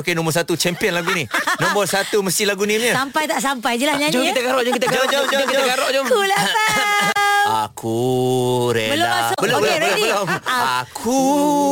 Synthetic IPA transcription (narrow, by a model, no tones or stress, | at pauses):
okenɔ̃mbɔs̬at̪ut͡ʃɛmpiənlaɡuninɔ̃mbɔrsat̪uməst̪ilaɡunimɲəsampajt̪aʔsampajd͡ʒilahɲãɲd͡ʒokit̪aɡaɾɔʔd͡ʒɔkit̪aɡad͡ʒod͡ʒokitaɡaɾɔʔd͡ʒomulaa | a̰kʰu | ɾebəloaasbəlobələlʊbəloakʰu